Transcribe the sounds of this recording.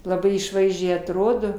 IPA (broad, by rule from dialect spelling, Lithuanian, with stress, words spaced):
lˠɐˈbɐɪ ɪʃˈʋɐɪzʲd͡ʒʲɛɪ ɐtˈroːdoː